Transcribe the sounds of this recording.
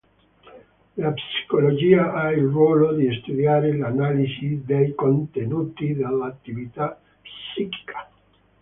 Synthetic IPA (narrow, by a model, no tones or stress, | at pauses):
lapsi̥kolod͡ʒiːaʔailrwɔːlod̪iest̪ud̪jaːɾelanalisid̪ejkont̪enuːt̪id̪elːat̪ːivit̪a | pssiki̥kʰḁ